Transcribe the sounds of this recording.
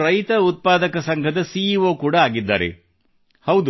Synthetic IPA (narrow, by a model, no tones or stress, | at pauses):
ɾɐjt̪ɐut̪̚paːd̪ɐkɐsɐŋɡʰʱɐd̪ɐsiːʋoːkuːɽɐaːɡid̪ːa̰ːɾḛ | hɐwd̪u